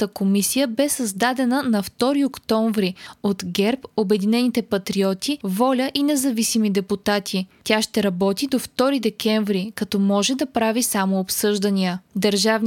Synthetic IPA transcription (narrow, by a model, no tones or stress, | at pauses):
t̪əkomisijəbɛsɐzd̪ad̪ɛnənɐft̪ɔɾiokt̪ɔɱvɾiot̪ɡɛɾpobɛd̪inɛnit̪ɛpɐt̪ɾiɔt̪ʰivɔlʲəʔinɛzɐvisimid̪ɛput̪at̪ʰit̪ʲaʃt̪ɛɾɐbɔt̪id̪oft̪ɔɾid̪ɛkɛɱvɾikɐt̪ɔmɔʒɛd̪ɐpɾavisamoːpsɤʒd̪əniəd̪əɾʒavn